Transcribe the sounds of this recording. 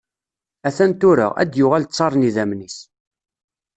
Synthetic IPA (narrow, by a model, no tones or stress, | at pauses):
æθænt̪ʊɾə̰ʁæ̰d̪jʊʁælt͡sˤːɑɾˤniðæmnis